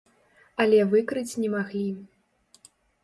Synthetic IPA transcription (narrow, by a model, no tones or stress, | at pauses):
ɐlʲɛvɨkɾɨt͡sʲnʲɛmaɣlʲi